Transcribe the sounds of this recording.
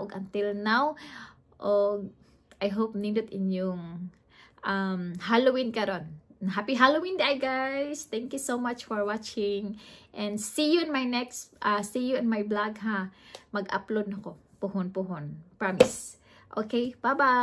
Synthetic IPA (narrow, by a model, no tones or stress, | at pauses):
ʔoɡʔɐnt̪ɪlnaw | ʔoɡ̚ | ʔajɦop̚nid̪ʊt̪ɪnjʊŋ | ʔamhalowinkɐɾonɦapiɦalowĩnd̪ɛʔajɡajst̪ɛ̃ŋkjusomat͡ʃfɔɹwat͡ʃɪŋʔɛ̃nd̪sijuɛ̃nmajnɛksʔasijuɛ̃nmajblaɡ̚ɦamɐɡa̰plod̪nɐko | puhonpuɦonpɹamɪs | ʔokejbaba